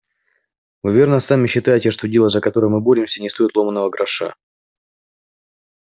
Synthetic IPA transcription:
vɨvʲe̞rnəsamʲɪɕːɪt̪ajɪtʲɪʂt̪odʲe̞lˠəzəkɐt̪o̞ɾəjmɨboɾʲɪmsʲənʲɪst̪o̞jɪt̪lˠo̞mənːəvəɡɾɐʂa̰

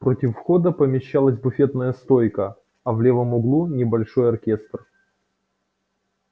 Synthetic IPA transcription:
pɾotʲɪfːxo̞d̪əpəmʲɪɕːalˠəzʲbʊfʲe̞t̪nəjəst̪ojkə | ɐvlʲe̞vəmʊɡlˠunʲɪbɐlʲʂo̞jɐrkʲest̪r

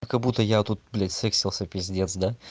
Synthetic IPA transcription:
kɐɡbut̪əjat̪ut̪̚blʲet̪ʲsʲɛksʲɪlˠsʲəpɾʲɪzʲɪdʲent̪sd̪a

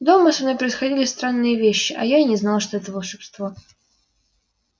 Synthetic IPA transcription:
d̪oməsɐnojpɾəɪsxɐdʲilʲɪst̪ɾanːɨjəvʲeɕːɪʔɐjanʲɪznɑlˠʂt̪oɛt̪əvəlˠʂɨpst̪vo

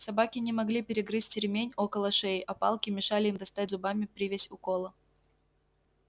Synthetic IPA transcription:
sɐbakʲɪnʲɪmɐɡlʲipʲɪɾʲɪɡɾɨtʲtʲɪɾʲmʲenʲokəlˠəʂejɪʔɐpɑ̰lˠkʲɪmʲɪʂalʲɪimd̪ɐst̪atʲzʊbamʲɪpɾʲɪvʲesʲʊkolˠə

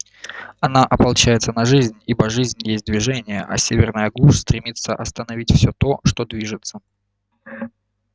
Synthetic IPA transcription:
ɐnaʔɐpɐlˠt͡ɕæjɪt̪sənɐʐɨzʲnʲibəʐɨzʲnʲjesʲt̚ʲd̪vʲɪʐɛnʲɪjəʔɐ̰sʲevʲɪrnəjəɡlˠuʂst̪ɾʲɪmʲit̪səʔɐst̪ənɐvʲitʲfsʲɵt̪o̞ʂt̪o̞d̪vʲiʐɨt̪sə

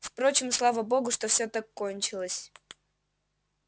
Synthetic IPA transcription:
fpɾo̞t͡ɕɪmslˠavəbo̞ɡʊʂt̪ofsʲɵt̪akːonʲt͡ɕɪlˠəsʲ

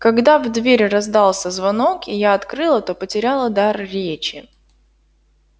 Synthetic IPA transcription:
kɐɡd̪avd̪vʲeɾʲrɐzd̪alˠsʲəzvɐno̞kɪjaɐt̪kɾɨlˠət̪o̞pətʲɪɾʲalˠəd̪arɾʲet͡ɕɪ

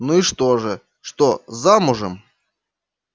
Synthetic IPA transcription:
nuiʂt̪oʐɨ | ʂt̪ozamʊʐɨm

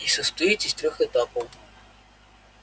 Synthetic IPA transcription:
isəst̪ɐit̪ʲisʲt̪ɾʲɔxɛt̪apəw

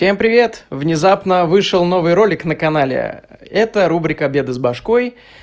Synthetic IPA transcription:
sʲe̞mpɾʲɪvʲe̞t̪vnʲɪzapnəvɨʂɨlˠno̞vɨjɾo̞lʲɪknəkɐnalʲɪ̰ɛt̪əɾubɾʲɪkəbʲe̞d̪ɨzbɐʂko̞j

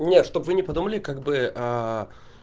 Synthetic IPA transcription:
nʲeʂt̪o̞bvɨnʲɪpɐd̪uməlʲɪkaɡ̚bɨa

